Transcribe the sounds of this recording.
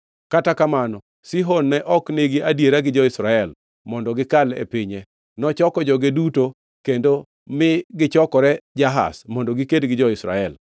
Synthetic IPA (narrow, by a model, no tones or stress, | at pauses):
katakamanɔ | siɦonːɛʔɔkneɡɪʔadjeɾaɡɪd͡ʒɔɪsɾaɛl | mɔndɔɡɪkalḛpiɲɛ | nɔt͡ʃɔkɔd͡ʒɔɡeduto | kendo | mɪɡɪt͡ʃɔkɔɾɛd͡ʒaɦa̰smɔndɔɡikedɡɪd͡ʒɔɪsɾa̰ɛl